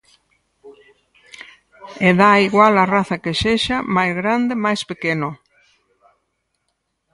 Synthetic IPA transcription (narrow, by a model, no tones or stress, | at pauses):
eðaiɣwalɐraθɐkeʃeʃamajzɣɾand̪emajspekenʊ